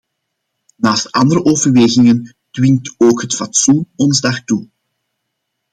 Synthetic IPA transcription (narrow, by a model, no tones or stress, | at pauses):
naːstɑndəɾəʔoːvərʋeːɣɪŋən | d̥wɪŋtoːkɦətfatsunɔnzdɑxtu